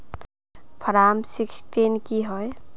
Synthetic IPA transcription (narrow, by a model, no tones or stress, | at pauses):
pʰʌɾamsiksʈenkiɦɔj